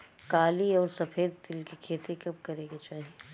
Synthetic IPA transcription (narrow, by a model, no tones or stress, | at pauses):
kaːliɔːɾsɐfʰeːd̪̚t̪ɪlkikʰeːt̪ekɐb̚kɐɾeːɡet͡ʃaːɦiee